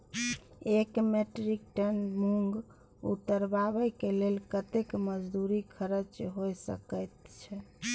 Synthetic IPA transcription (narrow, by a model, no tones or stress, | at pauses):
ekmeʈɾik̚ʈənmuŋɡ | ṵt̪ːəɾbaβəjkelelkət̪ekməd͡ʒd̪uɾikʰəɾət͡ʃɦojsə̰kəjt̪t͡ʃʰɛ